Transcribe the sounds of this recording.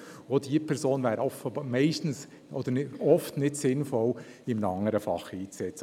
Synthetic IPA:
odiəpʰɛɾsoːnvæːɾəɔfəmɛɪʃtn̩s | ɔ̰d̪̥əɾɔftnɪtsɪnfɔlɪmnɑŋːəɾəfɑ̰χiːt͡sɛt͡sə

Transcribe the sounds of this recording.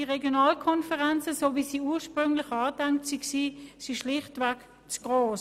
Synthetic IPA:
iʁeɡjonaːlkʰɔnfəʁɛnt͡səsoːviːsiːuːʃpʁʏŋlɪχɑːdɛŋk̚tsiksiːsiʃlɪχtvɛk | t͡sɡ̥ʁoːs

